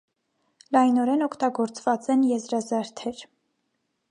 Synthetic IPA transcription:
lɑjnɔɾɛnɔkʰt̪ɑɡɔɾt͡svɑt͡sɛnjɛzɾɑzɑɾt̪ʰɛɾ

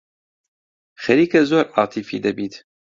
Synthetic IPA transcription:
xɐɾiːkɐzoːɾʔɑːt̪ʰifḭːd̪ɐbiːt̪

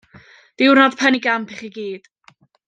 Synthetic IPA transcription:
d̥ɪwrnɔd̥pʰɛniɡampʰiχiɡiːd̥

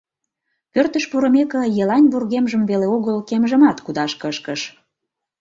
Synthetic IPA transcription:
pørt̪əʃpuɾə̆mekə̆jelɑnʲβurɣemʒəmveleoɣəlkemʒə̆mɑt̪kud̪ɑʃkə̆ʃkə̆ʃ

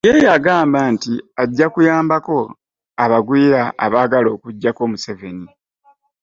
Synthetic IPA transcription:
jejaɡaːmbantiaɟːakujaːmbako̞ | aβaɡwiːɾaʔːβaːɡalo̞ːkuɟːako̞ːmuse̞ve̞ni

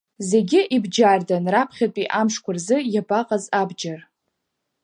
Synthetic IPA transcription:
ze̞ɡʲɪʔibd͡ʒardanrapʰχʲatʼiʔamʂkʷʰʊrzɨjabaqʼazabd͡ʒar

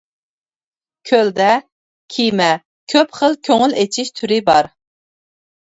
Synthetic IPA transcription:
kʲʰøld̪ɛ | kʲʰimɛ | kʲʰøpχəlˠkʲʰøŋylet͡ʃʰiʃt̪ʰyɾɪbɑɾ

